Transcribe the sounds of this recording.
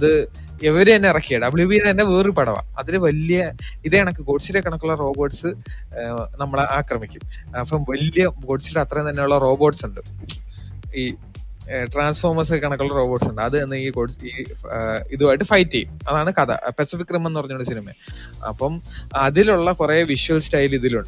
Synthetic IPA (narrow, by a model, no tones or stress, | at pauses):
ɐðɨ | eʋɐɾet̪ɐnːeirɐkːijɐɽɐbɭjubiet̪ɐnːeeːripɐɽɐʋa̰ɐðineʋɐlijɐiðeɐɳɐkːɨko̞ːʈt͡ɕːilekːɐɳɐkːuɭːɐro̞ːbo̞ːʈsɨ | nɐmːɐɭeʔaːkrɐmikʲːumɐpːɐmʋɐljɐko̞ːʈt͡ɕːileɐt̪rɐjemnt̪ɐnːeuɭːɐro̞ːbo̞ːʈsuɳɖɨ | iː | ʈraːnsfo̞ːrmɐsɨkɐɳɐkːuɭːɐro̞ːbo̞ːʈsuɳɖɨɐðɨenːeiikoːɽiː | iðɨʋaːjʈːɨfɐjtːimɐðaːɳɨkɐðɐ̰pesifikːrimːenːupɐrɐɲːuɭːɖɐsinimḛ | ɐ̰pːɐmɐðiluɭːɐkureːʋiʂuɐlstɐjliðiluɳɖɨ